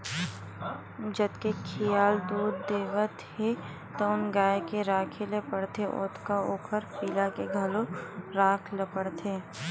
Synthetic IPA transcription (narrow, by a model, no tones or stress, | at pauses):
d͡ʒəd̪kekʰijaːld̪uːd̪ːeːʋət̪he | t̪oʊnɡaːekeɾaːkʰelepəɽt̪eʔʊ̰ːt̪ʰkaoːkʰəɾpiːlakeɡʱəloɾaːkʰlepəɽt̪ʰeː